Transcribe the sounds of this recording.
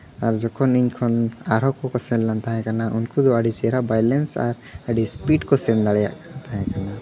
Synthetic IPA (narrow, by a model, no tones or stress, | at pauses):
aɾd͡ʒɔkʰɔniɲkʰɔnaɾɦɔkɔkɔsɛllant̪aɦɛ̃kanaʔunkud̪ɔəɖit͡ʃɛɾabajlɛnsa̰ɾ | aɖispiʈkɔsɛnd̪aɽja̰ʔt̪aɦɛ̃kana